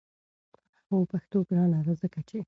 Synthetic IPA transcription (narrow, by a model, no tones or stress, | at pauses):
opaxt̪oɡɾɑnad̪azəkat͡ʃe